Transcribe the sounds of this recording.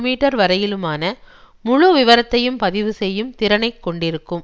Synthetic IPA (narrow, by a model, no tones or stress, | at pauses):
miːʈːɐɾʋɐɾɐjɪlɯmaːnɐ | mʊɻuʋɪʋɐɾɐt̪ːɐjɯmpɐðɪʋɯsɛjːɯmt̪ɪɾɐnɐɪkːɔɳɖɪɾɯkːɯm